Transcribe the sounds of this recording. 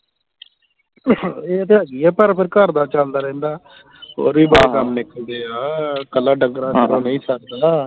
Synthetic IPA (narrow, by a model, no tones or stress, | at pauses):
eːət̪eːəɡiːɛːpəɾpʰɪɾkəɾd̪aːt͡ʃald̪aːɾɛ̃ːnd̪aː | ɦo̰ːɾiːbaːkəmnɪkʰːəld̪eːaːkəlːaːɖəŋɡɾaːd͡ʒəɾoːnə̃ĩːsəkd̪aː